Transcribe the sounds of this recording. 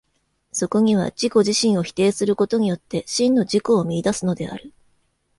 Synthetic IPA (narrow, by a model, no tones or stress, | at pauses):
so̞ko̞ɲ̟iβ̞a̰d͡ʑiko̞ʑiɕĩɰ̃o̞çi̥t̪e̞ːsɨɾɯ̟ko̞t̪o̞ɲ̟ijo̞t̪ːe̞ɕĩnːo̞ʑiko̞ːmʲiːd̪asɨno̞d̪e̞a̰ɾɯ̟